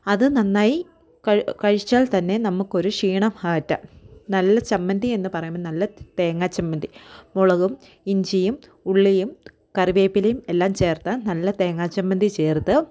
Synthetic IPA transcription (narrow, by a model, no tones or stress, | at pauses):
ɐðɨnɐnːaːji | kɐkɐɻit͡ɕːaːlt̪ɐnːe̞nɐmːukːo̞ɾuʂiːɳɐmhaːɐtːɐnɐlːɐt͡ɕɐmːɐnd̪ienːɨpɐrɐjumːɐnɐlːɐt̪e̞ːŋːaːt͡ɕːɐmːɐnd̪imoɭɐɣum | iɲd͡ʑijumuɭːijum | kɐriʋeːpːilejumelːaːmt͡ɕe̞ːrt̪ɐnɐlːɐt̪e̞ːŋːaːt͡ɕːɐmːɐnd̪it͡ɕe̞ːrt̪ɨ